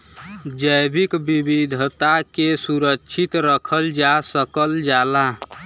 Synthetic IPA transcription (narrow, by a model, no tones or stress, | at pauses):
d͡ʒəjbikbibid̪ʱət̪akesuɾəkːt͡ʃʰit̪ɾəkʰəld͡ʒasəkəld͡ʒala